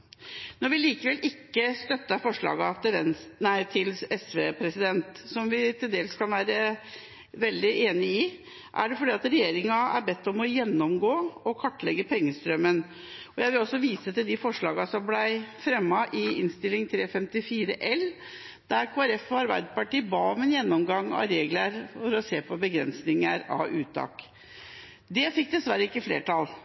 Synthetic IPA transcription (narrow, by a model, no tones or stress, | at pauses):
nɔɾʋɪliːkəʋɛlʔɪkːəst̪œt̪ːɑfɔʂɭɑ̰ːɡɑt̪ɪʋɛnnæɪt̪ʰɪlɛsʋeːpʰɾɛsɪd̪ɛnt̪sɔmʋɪt̪ʰɪld̪eːlskʰɑnʋæːɾə | ʋɛld̪ɪʔeːnɪɪ | ʔæ̰ɖɛfɔɖiːɑt̪ɾɛjeːɾɪŋɑæ̰ɾbɛt̪ːɔmɔjɛnːɔmɡoːɔkʰɔʈːɭɛɡːəpʰɛŋːəst̪ɾœmːən | ɔjæɪʋɪlɔsːɔʋiːsət̪ɪld̪ɪfɔʂɭɑːɡɑsɔmblæɪfɾɛmːɑʔɪɪnst̪ɪlːɪŋt̪ʰɾeːfɛmt̪ɪfiːɾəʔɛl | d̪æɾkʰoːæɾɛfɔɑɾbæ̰ɪd̪pɑʈiːbɑːɔmɛnjɛnːɔmɡɑŋːɑ̰ɾeːɡləɾfɔɾɔseːpʰɔbəɡɾɛ̰nsnɪŋəɾɑ̰ʉːt̪ʰːɑ̰ːk | d̪ɛfɪk̚ːd̪ɛsʋæɾəɪkːəflḛːʈɑl